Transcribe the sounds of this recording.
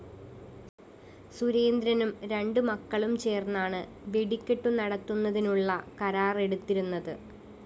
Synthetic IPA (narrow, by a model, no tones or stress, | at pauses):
suɾe̞ːnd̪ɾɐnumɾe̞ɳɖɨmɐkːɐɭumt͡ɕe̞ːrnːaːɳɨ | ʋeɽikʲːeʈːunɐɽɐt̪ːunːɐðinuɭːɐkɐɾaːre̞ɽut̪ːiɾunːɐðɨ